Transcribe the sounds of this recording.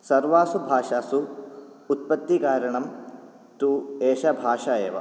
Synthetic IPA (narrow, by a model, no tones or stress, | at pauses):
sɐɾʋaːsubʱaːʂaːsuː | t̪̚pɐt̪ːikaːɾɐɳɐm | t̪ueːʃɐbʱaːʃaːjeːʋɐ̰